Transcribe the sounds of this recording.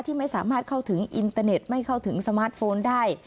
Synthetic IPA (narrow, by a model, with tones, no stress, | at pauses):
t̪ʰiː˥˩ma˥˩jsaː˩˦maː˥˩t̪̚kʰa˥˩wt̪ʰɯ˩˦ŋʔi˧nt̪aː˧ne˨˩t̪̚ma˥˩jkʰa˥˩wt̪ʰɯ˩˦ŋsa˧maː˦˥t̪̚foː˧ndaː˥˩j